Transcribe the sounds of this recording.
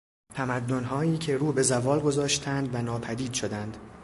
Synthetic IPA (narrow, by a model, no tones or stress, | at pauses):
t̪ʰæmæd̪ːo̞nɦɒːiːcʰe̞ɾuːbe̞zævɒːlɡo̞zɒːʃt̪ʰænd̪vænɒːpʰæd̪iːd̪ʃo̞d̪ænd̪̥